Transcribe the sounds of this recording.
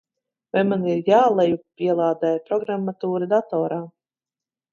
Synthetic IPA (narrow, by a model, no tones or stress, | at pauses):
vajmaniɾjaːlˠajupʲiɛlˠaːd̪ɛjpɾɔɡɾamːat̪uːɾad̪at̪ɔːɾaː